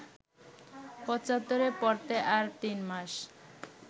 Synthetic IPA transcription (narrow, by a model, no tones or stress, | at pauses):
pɔt͡ɕat̪ːoɾepɔɾt̪eʔaɾt̪inmaʃ